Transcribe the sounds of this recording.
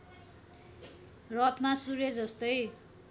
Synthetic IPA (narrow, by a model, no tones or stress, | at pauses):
rʌt̪masuɾed͡zʌst̪ʌj